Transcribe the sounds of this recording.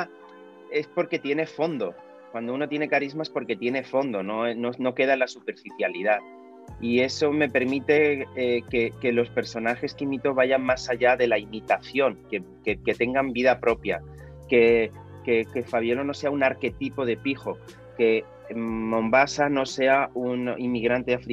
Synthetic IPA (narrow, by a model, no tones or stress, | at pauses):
e̞spo̞ɾke̞t̪je̞ne̞fo̞nd̪o̞ | kwand̪ouno̞t̪je̞ne̞kaɾizmae̞spo̞ɾke̞t̪je̞ne̞fo̞nd̪o̞no̞enono̞ke̞ðaelasupe̞ɾfiθjalið̞a | ie̞so̞me̞pe̞ɾmit̪e̞ekeke̞lo̞spe̞ɾso̞naxe̞skimit̪o̞βaʝammasaʝaðe̞laimit̪aθjo̞ŋke | keke̞t̪e̞ŋɡambiðapɾo̞pja̰ | ke̞ | kekefaβ̞jo̞lo̞no̞se̞aunaɾke̞t̪ipo̞ð̞e̞pixo̞ | ke̞ː | õ̞mbasano̞se̞aunimiɣ̞ɾant̪eafɾi